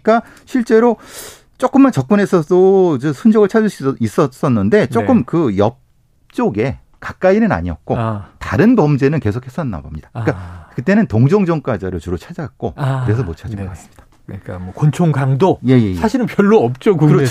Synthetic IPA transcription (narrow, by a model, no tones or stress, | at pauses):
k͈a | ɕʰiɭt͡ɕ͈e̞ɾo | t͡ɕ͈ok͈ɯmːant͡ɕʌk̚p͈unɦe̞sʰʌdoid͡ʑesʰund͡ʑʌɡɯɭt͡ɕʰad͡ʑuɕ͈ʰis͈ʌs͈ʌnːɯnde̞t͡ɕ͈ok͈ɯmkɯjʌp̚ | t͡ɕ͈oɡe̞ | kak̚k͈ainɯna̰ɲiʌ̰t̚k͈otaɾɯnbʌmd͡ʑe̞nɯnke̞sʰokʰhes͈ʰʌnːa̰bʌmɲid̥ak͈akɯt͈e̞nɯntoŋd͡ʑʌŋd͡ʑʌŋk͈ad͡ʑaɾot͡ɕuɾot͡ɕʰad͡ʑaak̚k͈oɯɯɾe̞sʰʌmot͡ɕʰad͡ʑiŋɡʌkassɯ̥mɲid̥ḁ | k͈amʌkont͡ɕʰoŋɡaŋdoje̞je̞jsaɕʰiɾɯnpjʌɭːoʌp̚t͡ɕ͈oɡkɯɾ